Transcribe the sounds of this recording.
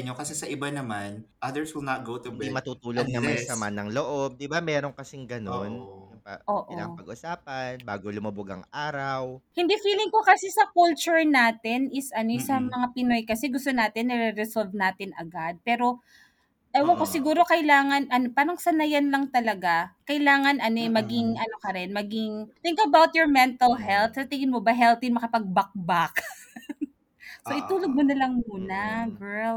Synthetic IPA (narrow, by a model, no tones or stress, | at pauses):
ɲokɐsɛsɐʔɪbanɐmanʔɐd̪əɹswɪlnɐt̪̚ɡowt̪ud̪imɐt̪uːt̪uːloɡ̪̚nɐmɐjsɐmanɐŋloʔob̚d̪ɪbamɛːɾoŋkɐsɪŋɡɐnonjʊpa̰ʔoːʔɪla̰pɐɡ̚ʔʊsaːpɐnbaːɡolʊmɐboɡɐ̰ŋʔaːɾɐwhɪnd̪iːfiːlɪŋkokɐsɛsɐkult͡ʃʊɹnaːt̪ɪnɪsʔɐnoɪsɐŋmɐŋapɪno̞jkɐsɛɡʊst̪onaːt̪ɪnːɐɾɛɾɛsolvnaːt̪ɪnʔɐ̰ɡad̪̚pɛːɾo̞ | ʔɐjwɐkosɪɡuːɾo̞kɐɪlaːŋɐnʔɐnopaːɾɐŋsɐnɐjanlɐŋt̪ɐlɐɡakɐɪlaːŋɐnʔɐnoɛmɐɡɪŋʔɐno̞kɐɾɛnmɐɡɪŋt̪ɪŋkɐbawt̪̚joɹmɛnt̪ɐlɦɛlt̪̚sɐt̪ɪŋɪnmobɐɦɛlt̪inmɐkɐpɐɡ̚bɐk̚bak | soʔɪt̪uːloɡ̚monɐlɐŋmuːnɐɡɛɹl